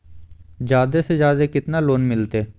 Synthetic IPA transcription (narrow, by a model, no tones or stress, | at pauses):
d͡ʒjaːd̪esed͡ʒjaːd̪ekɪt̪naloːnmɪlt̪eː